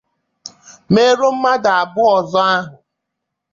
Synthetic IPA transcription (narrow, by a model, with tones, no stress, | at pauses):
me˦ɾo˦m̩˦ma˦da˨a˨bʊ˦ɔ˨zɔ˦a˦ɦʊ˨